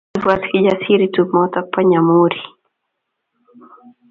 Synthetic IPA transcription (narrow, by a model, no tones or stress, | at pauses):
vuaskid͡ʒasiɾitumɔt̪apːaɲamuɾi